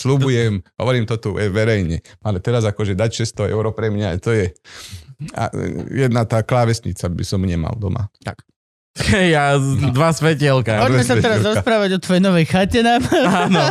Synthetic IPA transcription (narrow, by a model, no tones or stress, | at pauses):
slubujɛmɦɔ̰ʋɔɾiːmt̪ɔt̪uɛʋɛɾɛjɲɛalɛt̪ɛɾazakɔʒɛd̪acʃɛst̪ɔɛ̰ʊɾɔpɾɛmɲat̪ɔjɛ | a̰jɛd̪nat̪aːklaːʋɛsɲit͡sabisɔmɲɛma̰ld̪ɔma̰a | hɛjːad̪ʋasʋɛcɛlkaɔʒɛmɛsaɛɾaɾɔspɾaːʋaɟɔt̪ʋɔjɛnɔʋɛjxacɛnamanɔ